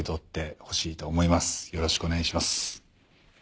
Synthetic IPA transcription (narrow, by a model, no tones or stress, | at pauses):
it̪ot̪ːe̞ho̞ɕiːt̪o̞ːmo̞imasɨ̥jo̞ɾo̞ɕi̥kɯoneɡaiɕimasɨ̥